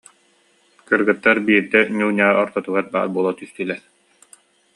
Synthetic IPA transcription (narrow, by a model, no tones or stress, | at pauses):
kɯɾɡɯt̪ːaɾbiːɾd̪ɛɲʲuːnʲaːɾɔɾt̪ɔt̪uɡaɾba̰ːɾbuɔlˠat̪yst̪ylɛɾ